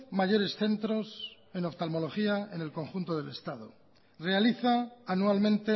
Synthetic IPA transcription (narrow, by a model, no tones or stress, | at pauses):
maʝo̞ɾe̞sθe̞nt̪ɾo̞s | e̞noβt̪almo̞lo̞xiae̞ne̞lko̞ŋxunt̪oð̞e̞le̞st̪aðo̰ | re̞aliθaːnualmẽ̞nt̪e